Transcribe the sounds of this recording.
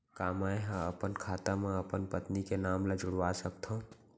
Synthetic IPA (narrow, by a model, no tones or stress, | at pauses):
kaːmaeɦãəpənkʰaːt̪amãəpənpət̪nikenaːmləd͡ʒʊɽʋasəkt̪ʰõ